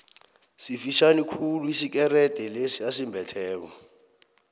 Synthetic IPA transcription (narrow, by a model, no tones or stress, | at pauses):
sifiʃanikʰuluisikʼɛɾɛtʼɛlesiasimbʱɛtʰɛːβɔ̰